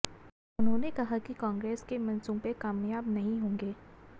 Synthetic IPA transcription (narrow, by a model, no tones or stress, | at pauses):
ʊnɦõːnekɐɦakikãːŋɡɾeːskemɐ̃nsõpɐkaːmjaːbnɐɦĩɦõːŋɡeː